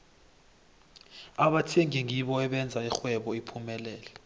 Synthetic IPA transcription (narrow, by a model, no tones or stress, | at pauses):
aɓatʰiɛŋiŋiɓɔɛɓɛnd͡zʱaixwɛɓɔipʰumɛlɛːlɛ